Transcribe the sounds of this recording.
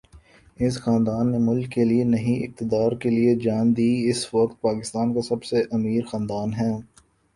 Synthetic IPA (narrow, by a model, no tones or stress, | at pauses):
ɪs̬xaːnd̪aːnːemʊlkːelienɐɦĩʔɪ̰k̚t̪ɪd̪aːɾkelied͡ʒaːnd̪iːɪsʋɐkt̪̚paːkɪst̪aːnkasɐbseʔɐmiːɾxãːnd̪aːnɦɛː